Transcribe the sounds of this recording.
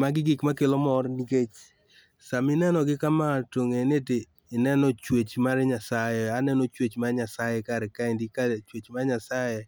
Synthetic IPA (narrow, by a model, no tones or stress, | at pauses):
maɡɪɡɪkmakelomɔrniket͡ʃ | samɪnɛnɔɡɪkamatoŋeneteː | nɛnɔt͡ʃwet͡ʃmaɾɲasajɛanɛnɔt͡ʃwet͡ʃmaɲasajɛkaɾɛkaindɪkat͡ʃwet͡ʃmaɲasaje